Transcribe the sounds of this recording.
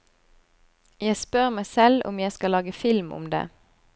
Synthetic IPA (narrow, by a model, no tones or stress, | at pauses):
jæɪspœʁmæɪsɛlʊ̰mjæɪskɑlɑːɡəfɪlmʊ̰md̪ḛː